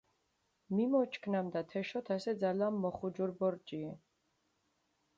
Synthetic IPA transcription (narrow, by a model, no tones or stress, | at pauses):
mimɔt͡ʃʰkʰnamd̪at̪ʰɛʃɔt̪ʰasɛd̪zalamːɔχud͡ʒuɾbɔɾt͡ʃʼiɛ